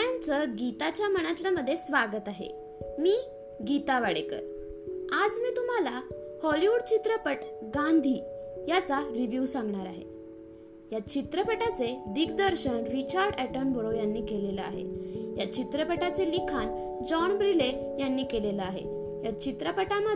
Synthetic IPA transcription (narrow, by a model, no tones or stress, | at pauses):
jant͡səɡit̪at͡ɕjaməɳ̃at̪ljaməd̪ʱːjesʋaɡət̪aɦḛ | miː | ɡit̪aʋaɽekə̰ɾ | ad͡zmiːt̪um̤alahɔliʋuɽt͡ɕit̪ɾəpəʈɡand̪ʱiːjat͡saɾiʋjusãŋɡɳaɾa̰ɦḛ | jat͡ɕit̪ɾəpəʈat͡sed̪iɡd̪əɾɕənɾit͡ɕaɾɖæʈənbʱəɭojanːiːkeleləa̰ɦḛjat͡ɕit̪ɾəpəʈat͡selikʰan | d͡zɔɳbɾile | janːiːkeleləaɦḛ | jat͡ɕit̪ɾəpəʈamə